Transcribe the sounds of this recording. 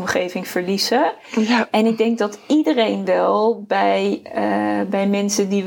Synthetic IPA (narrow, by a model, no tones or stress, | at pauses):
mχejvɪŋfəɹlizə | ʔɛnɪɡ̚dɛŋk̚dɑtidərejnʋɛlˠbɛj | bɛjmɛnsədi